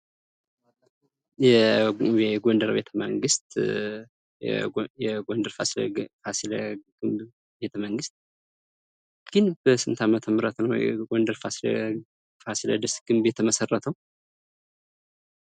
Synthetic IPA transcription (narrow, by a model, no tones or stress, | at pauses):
jɛɛɡondəɾbe̞t̪ʰəmə̰ŋɡɨst̪ | jɛɡondəɾfa̰slfasiləɡ̥ɨmb | be̞t̪ʰəməŋɡɨst̪̚ | ɡ̥ɨnbəsɨmt̪ʰamət̪ʰəməɾət̪nəwjɛ̰ɡond̪əɾfasl | fasilə̰d̪ɨsɡ̥ɨmbet̪ʰːəməsərːət̪ʰəw